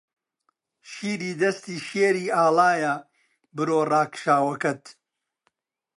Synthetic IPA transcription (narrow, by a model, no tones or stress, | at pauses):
ʃiːɾiːd̪ɐst̪iːʃeːɾiːaːlaːjɐ | bɨɾoːraːkʃaːwɐkɐt̪